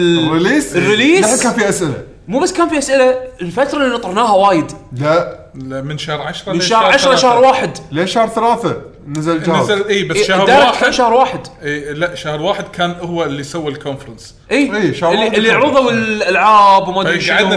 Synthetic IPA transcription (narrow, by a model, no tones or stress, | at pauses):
rɪliːsrːɪliːaħkaːnfiʔasʔɪla̰ | muːbasːkaːnfiʔasʔɪlaɪlfat̪ɾˤɑlinɑt̪ˤɑɾˤnaːhawaːjɪd̪la | mɪnʃahɾˤʕaʃɾˤɑmɪnnʃahɾʕaʃɾˤɑʃahɾˤwaːħɪd̪leːʃahɾˤθalaːθa | nazald͡ʒaːazʔiːbaahɾd̪aːɾaːkaːnʃahɾwaːħɪd̪ʔiːlaʔʃahɾwaːħɪd̪̚kʰaːnʔʊhwaɪlːisawːilkʰonfɾˤɑns | ʔiːʔiːʃahɾdɪlːiʕɾʊðˤawɪlʔalʕaːbwmadʃa